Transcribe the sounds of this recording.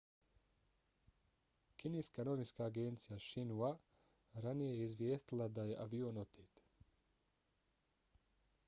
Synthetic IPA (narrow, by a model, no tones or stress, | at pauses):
kineːskanoʋinskaːɡent̪sijaʃinua | ɾanijejeizʋjeːst̪ilˠad̪aje̞ʔaʋionot̪ʰeːt̪